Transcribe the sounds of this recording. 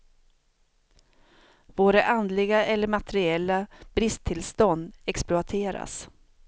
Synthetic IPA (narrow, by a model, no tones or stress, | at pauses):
voːɾaʔand̪lɪɡaʔɛlːəɾmat̪ɛɾɪɛlːab̥ɾɪst̪ʰːɪlst̪ɔnd̪ɛksplʊat̪ʰeːɾa̰s